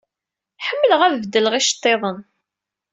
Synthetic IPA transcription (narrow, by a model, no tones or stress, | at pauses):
ħəmːələʁæðvd̪ːələʁæʃt̪ˤːeðˤən